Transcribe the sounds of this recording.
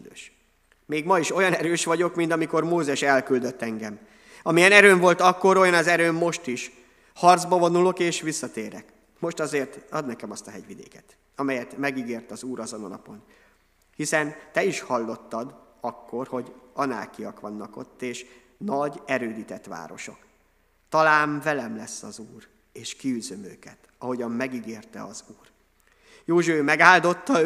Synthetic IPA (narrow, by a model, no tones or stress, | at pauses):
øːʃ | meːɡmɒiʃo̞jɒnɛɾøːʃʋɒɟo̞kmint̪ɒmiko̞rmoːzɛʃɛlkyld̪øt̪ːɛŋɡɛm | ɒmijɛnɛɾøːɱvo̞lt̪ɒkːo̞ɾo̞jɒnɒzɛɾøːmːo̞ʃt̪iʃ | hɒrd̪zbɒvo̞nulo̞keːʃʋisːɒt̪eːɾɛk | mo̞ʃt̪ɒzeːrt̪ɒd̪nɛkɛmɒst̪ɒɦɛɟʋid̪ḛːkɛ̥t̪ | ɒmɛjɛt̪mɛɡiɡeːrt̪ɒzuːɾɒzo̞no̰nɒ̰po̞n | hisɛnt̪ɛiʃhɒlːo̞t̪ːɒd̪ | ɒkːo̞rho̞ɟɒna̰ːkijɒkʋɒnːɒko̞̰t̪ːeːʃ | nɒɟɛɾøːd̪it̪ɛt̪ʋa̰ːɾo̞ʃo̞̰k | t̪ɒlaːɱvɛlɛmlɛsːɒzuːr | eːʃkiyzømøːkɛt̪ | ɒɦo̞ɟɒmːɛɡiɡeːrt̪ɛɒzuːr | joːʒøːmɛɡaːld̪o̞t̪ːɒ